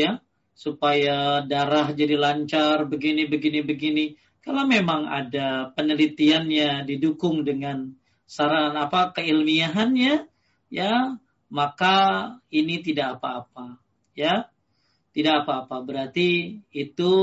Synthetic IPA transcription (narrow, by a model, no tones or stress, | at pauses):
ja | supajadaɾahd͡ʒadilaɲt͡ʃarbəɡinibəɡinibəɡini | kalamemaŋa̰dapənəlit̪ianɲadidukʊŋdəŋan | saɾanapakəilmiaɦanɲa | ja | makainit̪idaʔapaːpa | ja | t̪idakapaːpabəɾart̪iːt̪u